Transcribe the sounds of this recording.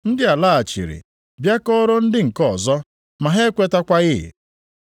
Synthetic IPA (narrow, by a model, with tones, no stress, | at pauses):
n̩˦dɪ˦a˨la˦˨a˨t͡ʃḭ˨ɾḭ˨ | bja˦kɔ˦ɾo˦n̩˦dɪ˦ŋ̩˨kɔ˨zɔ˦ | ma˨ɦe˦kʷe˦ta˦kʷa˦ɣɪ̰˦˨